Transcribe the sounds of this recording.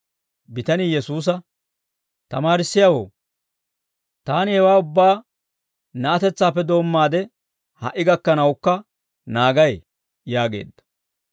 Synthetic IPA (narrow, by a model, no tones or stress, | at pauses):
bɪt̪ɐnɪjɛsuːs̬ɐ | t̪ɐmaːɾɪsːɪjɐwo̰ː | t̪aːnɪhɛwaːʊbːaː | nɐʔɐt̪ɛt͡sːaːpːɛd̪o̞ːmːaːd̪ɛ | hɐʔːɪɡɐkːɐnɐwkːɐ | naːɡɐj | jaːɡe̞̰ːd̪ːɐ̥